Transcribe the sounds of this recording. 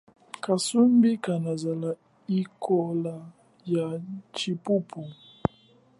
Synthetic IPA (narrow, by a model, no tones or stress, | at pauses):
kasumbikanazala | ikʰɔla | jat͡ʃipupʰu